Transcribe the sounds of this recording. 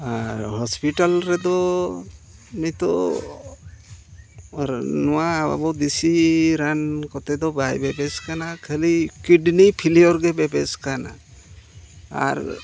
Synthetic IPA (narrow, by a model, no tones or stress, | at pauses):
aɾhɔspiʈalɾɛd̪ɔ | mit̪ɔ | ɾnuaba̰bɔd̪isiɾankɔt̪ed̪ɔbajbebeskanakʰəlikiɖnipʰiliɔɾɡebebeskana̰ | a̰ɾ